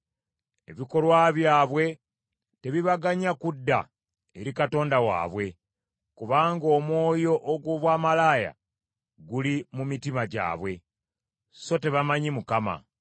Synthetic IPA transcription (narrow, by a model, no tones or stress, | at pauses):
e̞̰βiko̞lwaβjaːβwe̞ | te̞βiβaɡaɲakudːa̰ | eɾikato̞ːndawa̰ːβwe̞ | kuβaːŋɡo̞ːmwo̞ːjo̞ʔːɡwo̞βwaːmalaːja̰ | ɡulimumitimaɟa̰ːβwe̞ | so̞te̞βamaɲimukama̰